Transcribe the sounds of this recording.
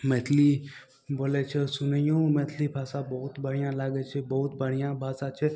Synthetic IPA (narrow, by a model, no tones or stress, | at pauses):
met̪ʰli | boːlet͡ʃʰesunəjõmeːt̪ʰlipʰaːsabəɦut̪bəɽ̤ijãlaːɡet͡ʃʰebəʊt̪bəɽ̤ijãbʱaːsat͡ʃʰe